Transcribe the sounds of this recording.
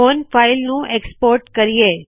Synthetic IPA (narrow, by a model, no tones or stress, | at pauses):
onfailnũʔekspoɾʈkəɾije